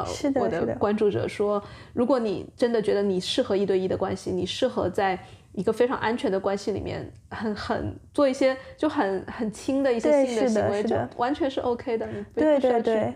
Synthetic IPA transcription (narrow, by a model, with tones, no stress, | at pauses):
ʂɻ̩˥˧wɔ˨˩d̪ə˦˧kwa˥nʈ͡ʂu˥˩ʈ͡ʂɤ̰˨˩ʂwɔ˥ɻu˧˥kwɔ˧˥nḭ˨˩ʈ͡ʂə˥nd̪ə˨t͡ɕɥɛ˧˥d̪ə˧ni˨˩ʂɻ̩˥˩xɤ˧˥i˥˧t̪we˥˧ɪi˥˩d̪ə˩kwa̰˥nɕi˨ni˨˩ʂɻ̩˥˩xɤ̰˧˥t͡sa˥˩ɪ | i˧˥ɡə˧fe˥ɪʈ͡ʂʰɑ˧˥ŋʔa˥nt͡ɕʰɥɛ˧˥nd̪ə˧kwa˥nɕi˧lḭ˨˩mjɛ̰˥˧˩n | xə˧˩nxə̰˨˩nt͡swɔ˥˧i˥˩ɕjɛ˥t͡ɕjo˥˩ʊxə˨˩nxə˨˩nt͡ɕʰi˥ŋd̪ə˨i˥˩ɕjjɛ˥ɕi˥˩d̪ə˥˧ɕi˧ŋwe˧˥ɪ˥jo˥˩wʔa˧˥nt͡ɕʰɥɛ˧˥nʂɻ̩˥˩ʔo˥˧ʊkʰe˥ɪd̪ə˨ni˨˩pu˥e˧˥˧we˥˧˥